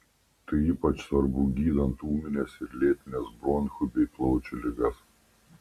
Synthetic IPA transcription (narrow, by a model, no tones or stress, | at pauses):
t̪ɐɪiːpɐt͡ʃsʋɐɾbuːɡʲiːd̪ɐnt̪uːmʲɪnʲɛsɪɾʲlʲeːt̪ʲɪnʲɛsbɾɔnxʊbʲɛɪplˠɔʊt͡ʃʲʊlʲɪɡɐs